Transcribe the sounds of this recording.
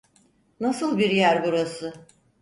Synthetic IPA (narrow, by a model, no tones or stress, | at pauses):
nasɯlˠbiɾjæɾbuɾasɯ